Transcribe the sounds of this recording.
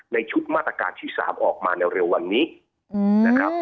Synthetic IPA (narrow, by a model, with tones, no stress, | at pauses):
na˧jt͡ɕʰu˦˥t̪̚ma˥˩t̪ːɾa˧ka̰ː˧nt̪ʰiː˥˩sa̰ː˩˦mʔɔː˨˩k̚maː˧nɛ˧ɾe˧wːa˧nːiː˦˥ | na˦˥kʰa˦˥p̚